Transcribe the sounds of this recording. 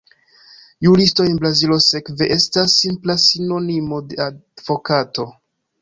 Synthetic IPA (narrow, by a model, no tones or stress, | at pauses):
julisto̞jenbɾazilo̞se̞kve̞ʔe̞stasːimplasino̞nimo̞de̞av̥o̞kato̞